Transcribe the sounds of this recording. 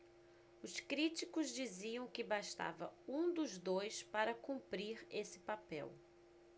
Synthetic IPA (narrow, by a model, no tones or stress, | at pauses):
ʊskɾit͡ʃikʊzd͡ʒiziɐ̃w̃kɪbaʃt̪a̰vɐ̰ũd̪ʊzd̪ojspaɾɐkũmpɾiɾesɪ̥papɛ̰w